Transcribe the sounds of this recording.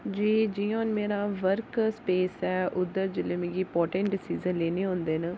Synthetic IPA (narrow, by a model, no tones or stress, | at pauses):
d͡ʒiːd͡ʒiːõːnmeːɾaːʋəɾkspeːsɛːʔʊd̪əɾd͡ʒɪlẽːmẽːɡipɔːʈẽːɳʈɖɪsiːzənleːneːɦõːnd̪eːnə